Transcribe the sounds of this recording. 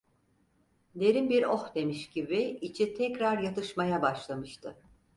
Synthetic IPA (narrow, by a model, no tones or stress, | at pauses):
le̞ɾinbiɾohd̪e̞miʃɟibiit͡ʃʰit̪ʰɛcɾaɾjat̪ɯʃmajabaʃlˠamɯʃt̪ʰɯ